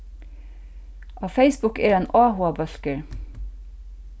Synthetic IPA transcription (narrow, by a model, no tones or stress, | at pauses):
ʔɑːfeɪsbʊkḛːɾɛnɑːhʊɑbœskəɹ